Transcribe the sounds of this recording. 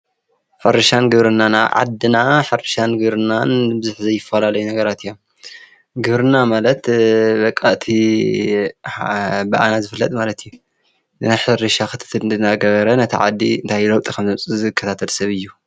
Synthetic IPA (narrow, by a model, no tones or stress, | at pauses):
fɐɾɐʃanɡɨβɾɨnana̰ʕa̰d̪ɨnaħɨɾɨʃanɡɨβɾɨnanbɨzuħzɐjːɪfːɐlalɐjunɐɡɐɾat̪ʰɨjom | ɡɨβɾɨnamalɐt̪bɐkʼːaʔt̪ʰi | bɐʔanazɨfɨlːɐt̪ʼmalɐt̪ʰɨjːu | ɨnajħɨɾɨʃaxɨt̪ʰɨ̥t̪ʰɨlɨnaɡɐβɐɾɐnɐt̪ʰḭʕa̰d̪ːḭɨnt̪ʰajlowt̪ʼikʰɐmzɨmt͡sʼɨzɨkʰːɐt̪ʰat̪ʰɐlsɐβɨjːu